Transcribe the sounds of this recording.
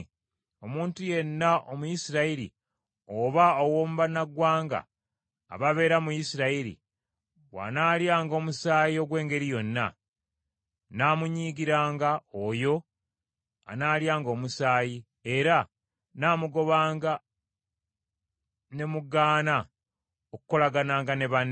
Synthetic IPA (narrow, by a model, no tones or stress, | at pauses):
o̞muːntuje̞nːaʔomujisiɾaiɾḭ | oβaowoːmuβanaɡwaːŋɡa̰ː | βaβe̞ːɾamujisiɾaiɾḭ | wa̰naːljaːŋɡo̞ːmusaːjio̞ɡwe̞ːŋɡe̞ɾijo̞nːa̰ | naːmuɲiːɡiɾaːŋɡaojo̞ | a̰naːljaːŋɡo̞ːmusaːji | e̞ɾa | naːmuɡo̞βaːŋɡa | ne̞muɡaːna | okuko̞laɡanaːŋɡane̞βan